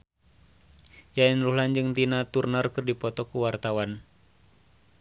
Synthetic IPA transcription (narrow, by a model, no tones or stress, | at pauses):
jainruɦland͡ʒɨŋt̪inat̪urnɔrkɨrdipɔt̪ɔkuwart̪awan